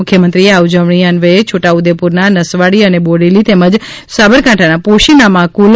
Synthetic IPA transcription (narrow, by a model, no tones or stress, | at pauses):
ʊkʰjəmənt̪ɾieaud͡ʒəʋɳ̃iənʋet͡ʃʰoʈaud̪epuɾnanəsʋaɽiəneboɽelit̪eməd͡ʒsabəɾkãʈʰanapoʃinamãkul